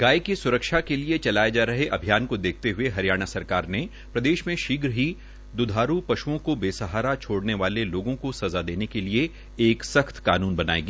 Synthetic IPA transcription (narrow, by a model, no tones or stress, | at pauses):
ɡaːikisʊɾəkʃakeliet͡ʃɐlaːjed͡ʒaːɾɐɦeʔɐbʱijaːnkod̪eːk̚ʰt̪eɦʊeɦɐɾijaːɽ̃asɐɾkaːɾne | pɾɐd̪eːʃmẽʃiːɡɾɦi | d̪ʊd̪ʱaːɾupɐʃuõkobeːsɐɦaːɾat͡ʃʰoːɽneʋaːleloːɡõkosɐzad̪eːnekelie | eːksɐxt̪kaːnuːnbɐna̰ːḛːɡiː